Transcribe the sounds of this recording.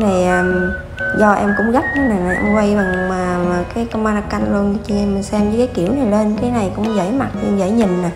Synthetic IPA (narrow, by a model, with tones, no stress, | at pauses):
na˨˩jʔəː˨˩ | zɔ˧ʔɛ˧mkʊ̰˧˥ŋ͡mɣa˦˥p̚ʔa˨˦naː˨˩na˨˩ʔɛɔ̰˧ŋ͡mkwa˧jva˨˩˨maː˨˩aː˨˩kaː˨˦jkwmaː˧na˧kːa˧ŋlu˧ən˨˦t͡ɕɨ˧mːə˨˩sɛ˧mvɨ˧˦kaː˨˦jki˧˩˨əwna˨˩jle˧nkaː˨˦jna˨˩jkʊ̰˧˥ŋ͡mzə̰˧˥˩jma˨˩t̚i˧zə̰˧˨˩jɲi˨˩nnaː˨˩